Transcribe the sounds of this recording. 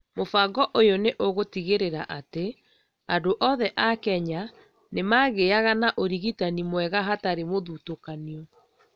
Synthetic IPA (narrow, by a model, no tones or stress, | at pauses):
mofaɡɔʔojoneʔoɣotiɣeɾeɾaʔate | adoʔɔðɛʔakɛɲa | nemaɣeaɣanaʔoɾiɣitanimwɛɣaɦataɾemoðutokaniɔ